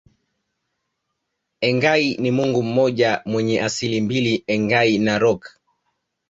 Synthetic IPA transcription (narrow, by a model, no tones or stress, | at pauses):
ɛŋɡainimuŋɡum̩mɔʄamwɛɲɛʔasilimbiliɛŋɡainaɾɔk